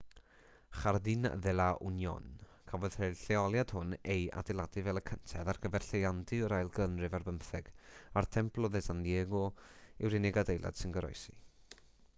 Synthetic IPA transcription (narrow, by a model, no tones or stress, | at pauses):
χardɪn̰ðɛlˠaʔʊ̰njɔ̰n | kʰavɔð̥hɛɬɛɔlˠjad̥hʊneja̰dɛlˠadɨvɛlˠəkʰəntʰɛðarɡəvɛrɬejandɨəɾajlˠɡənrɨvarbəmθɛɡ̥artʰɛmpʰlˠɔðɛzanjeɡɔɪwɾɪnɛɡadejlˠa̰d̥sɪnɡəɾɔ̰jsḭ